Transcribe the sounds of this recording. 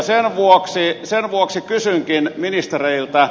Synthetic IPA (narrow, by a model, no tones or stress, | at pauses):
senʋuoksisenʋuoksikysyŋkinminist̪ereilt̪ɑ